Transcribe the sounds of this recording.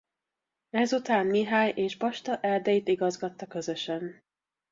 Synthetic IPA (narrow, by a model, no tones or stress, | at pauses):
ɛzut̪aːnmiɦaːjʔeːʒbɒʃt̪ɒʔɛrd̪ɛjit̪iɡɒzɡɒt̪ːɒkø̞zø̞ʃɛn